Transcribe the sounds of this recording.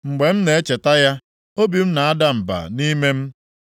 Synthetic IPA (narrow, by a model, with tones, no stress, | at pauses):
ŋ͡m̩˨ɡ͡be˨m̩˦ne˨e˦t͡ʃe˨ta˦ja˦ | o˦bi˨m̩˦na˨a˦da˦m̩˨ba̰˨ni˦me˦m̩˦